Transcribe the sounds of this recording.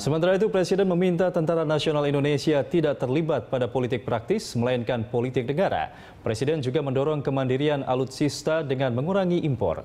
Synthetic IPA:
səmənt̪aɾait̪̬upɾɛsidɛnməmint̪at̪ənt̪aɾanasionalindonesiat̪idaʔt̪ərlibat̪̚padapolit̪ɪk̚pɾak̚t̪ɪsməlainkanpolit̪ɪk̚nəɡaɾa̰ | pɾesidɛnd͡ʒuɡaməndɔɾɔŋkəmandiɾiana̰lut̪sist̪adəŋanməŋuɾaŋiʔimpɔ̰r

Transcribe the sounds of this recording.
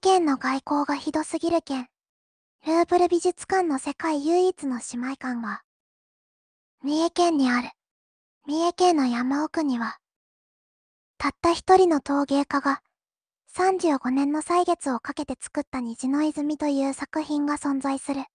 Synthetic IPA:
kẽ̞nːo̞ɡaiko̞ːɡaçid̪o̞sɨɡʲiɾɯ̟kẽ̞ɴ | ɾɯ̟ːbɯ̟ɾɯ̟bʲiʑɨt͡sɨ̥kãnːo̞se̞kaijɯ̟ːit͡sɨno̞ɕimaikãŋɡa | mʲiekẽ̞ɲ̟ːiaɾɯ̟ | mʲiekẽ̞nːo̞jamaokɯ̟ɲ̟iβa | t̪at̪ːaçi̥t̪o̞ɾʲino̞t̪o̞ːɡe̞ːkaɡa | sãɲ̟d͡ʑɨːɡo̞nẽ̞nːo̞saiɡe̞t͡sɨo̞kake̞t̪e̞t͡sɨ̥kɯ̟t̪ːaɲ̟iʑino̞izɨmʲit̪o̞jɯ̟ːsakɯ̟çĩŋɡasõ̞nd͡zaisɨɾɯ̟

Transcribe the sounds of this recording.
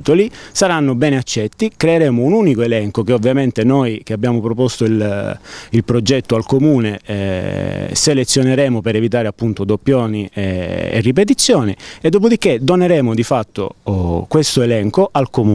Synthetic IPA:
t̪olisaɾanːobɛːneat͡ʃːɛt̪ːikɾeeɾeːmounuːnikoelɛŋkokeovːjament̪enojk̟eabːjaːmopɾopost̪oil | ilpɾod͡ʒɛt̪ːoalkomuːne | selet̪sːjoneɾɛːmopeɾevit̪̬aːɾeapːunt̪od̪opːjɔːniʔḛrːip̬et̪̬it̪sːjɔːnied̪ːoːp̬od̪ikːed̪oneɾɛːmod̪ifat̪ːo̰kwest̪oelɛŋkoʔalkomu

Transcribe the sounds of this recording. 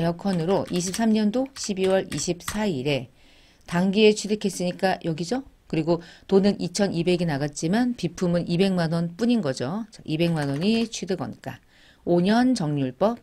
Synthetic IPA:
jʌkʰʌnɯɾoʔiɕ̬ʰip̚s͈ʰamɲʌndoɕʰibiwʌɾiɕʰip̚s͈ʰaiɾe̞ | taŋɡie̞t͡ɕʰidɯkʰe̞s͈ɯɲik͈ajʌɡid͡ʑokɯɾiɡotonɯnʔit͡ɕʰʌnʔibe̞ɡenaɡat̚t͡ɕ͈imanpipʰumɯnibe̞ŋmanwʌnp͈uɲinɡʌd͡ʑot͡ɕaʔibe̞ŋmanwʌɲit͡ɕʰwidɯɡʌ̰nk͈a | oɲʌnt͡ɕʌŋɲuɭp͈ʌp̚

